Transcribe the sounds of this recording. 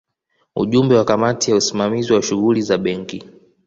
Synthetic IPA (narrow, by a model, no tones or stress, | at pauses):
ṵʄumbɛwakamatijausimamiziwaʃuɣulizaɓɛŋki